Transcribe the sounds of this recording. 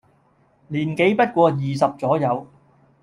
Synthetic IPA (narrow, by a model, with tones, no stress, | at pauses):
liː˨˩nke˨˥jpɐ˥t̚kʷɔː˧jiː˨˩s̬ɐ˨p̚t͡sɔː˨˥jɐ˨˧w